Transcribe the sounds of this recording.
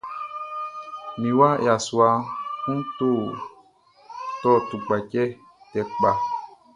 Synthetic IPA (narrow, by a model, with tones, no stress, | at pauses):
mĩ˨wa˦ja˨swa˧kũ˦n˦tu˦ | tɔ˦˨tu˨k͡pa˨cɛ˦ | tɛ˨k͡pa˨